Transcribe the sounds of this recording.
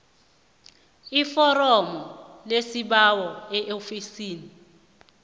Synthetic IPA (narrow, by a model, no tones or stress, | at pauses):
ifɔrɔmɔlesiɓawɔɛʔofisiːni